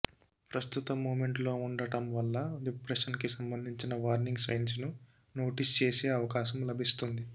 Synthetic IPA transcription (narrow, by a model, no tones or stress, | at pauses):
pɾɐst̪ut̪ɐmːoːme̞ɳʈlo̞ːuɳɖɐʈɐmʋɐlːɐɖipɾeʂɐnkisɐmbɐnd̪ʱiɲt͡ʃinɐʋaːɾniŋɡsɐjnsnu | no̞ːʈist͡ʃe̞ːse̞ːɐʋɐkaːʃɐmlɐbʱist̪und̪i